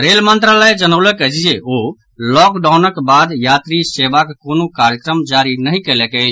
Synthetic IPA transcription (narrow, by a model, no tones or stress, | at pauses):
ɾelmənt̪ɾaləjd͡ʒənəwləkət͡ʃʰd͡ʒeo | lɔkɖawnəkbad̪jat̪ɾiseʋakkonokaɾjəkɾəmd͡ʒaɾinəɦĩkelɛkət͡ʃʰ